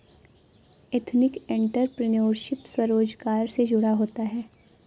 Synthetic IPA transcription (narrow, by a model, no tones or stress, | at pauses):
et̪ʰnɪkẽɳʈəɾpɾɪnoːɾʃɪpswɐɾoːd͡ʒkaːɾsed͡ʒʊɽaɦoːt̪aɦɛː